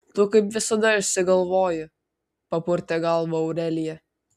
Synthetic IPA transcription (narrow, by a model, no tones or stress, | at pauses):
t̪ʊkɐɪpʋʲɪsɐd̪ɐɪʃʲsʲɪɡɐlˠʋoːjʊ | pɐpʊɾʲt̪ʲɛɡɐlˠʋɐɐʊɾʲɛlʲɪjɛ